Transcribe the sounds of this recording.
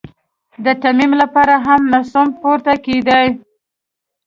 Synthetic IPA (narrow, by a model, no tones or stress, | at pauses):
d̪ət̪amimlapɑɾaɦamnasumpoɾt̪aked̪aj